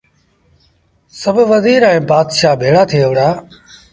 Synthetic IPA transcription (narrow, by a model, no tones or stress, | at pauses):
səbʱʋəziːɾɛ̃ːbaːd̪ʃaːbʱeːɽaːt̪ʰiːəʋɾaː